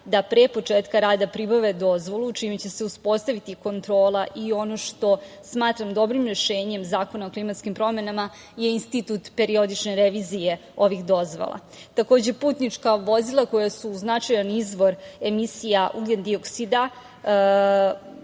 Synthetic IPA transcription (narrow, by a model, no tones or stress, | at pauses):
d̪apɾepo̞t͡ʂeːt̪kaɾaːd̪apɾibaʋe̞d̪o̞zʋo̞lˠuːt͡ʃimet͡ɕe̞se̞uspo̞st̪aʋit̪iko̞nt̪ɾo̞ːlˠaʔio̞no̞ʃt̪o̞ | smaːt̪ɾamd̪o̞bɾimɾeʃe̞ːɲe̞mzaːko̞naoklimat̪skimpɾo̞me̞nama | je̞inst̪it̪ut̪pe̞ɾio̞d̪it͡ʃneɾeʋizije̞ | o̞ʋixd̪o̞zʋo̰lˠa̰ | t̪ako̞ːd͡ʑe̞puːt̪nit͡ʂkaʋo̞zilˠako̞jasuːznat͡ʃajanizʋo̞ɾe̞misijaʔuɡend̪io̞ksid̪a